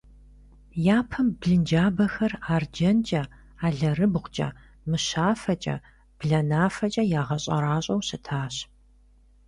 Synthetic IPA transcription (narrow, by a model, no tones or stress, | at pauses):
jaːpʰɐmbɮɨnd͡ʒaːbɐxɐraːrd͡ʒɐnt͡ʃʼɐ | aːɮɐrɨbʁʷt͡ʃʼɐ̰ | mɨʃaːfɐt͡ʃʼɐ̰ | b̥ɮɐnaːfɐt͡ʃʼɐjaːʁɐɕʼɐ̰ɾaːɕʼɐwsɨtʰaːɕ